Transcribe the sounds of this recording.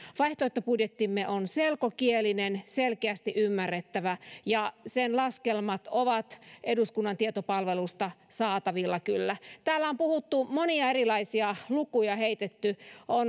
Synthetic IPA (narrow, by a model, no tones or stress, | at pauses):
ʋɑiht̪oet̪ːopudjet̪ːimːeʔonselkokielinenselkeæst̪iʔymːærːet̪ːæʋæjɑsenlɑskelmɑt̪oʋɑt̪eduskunːɑnt̪iet̪opɑlʋelust̪ɑsɑːt̪ɑʋilːɑkylːæt̪æːlːæompuhut̪ːumoniɑeɾilɑisiɑlukujɑheit̪et̪ːyon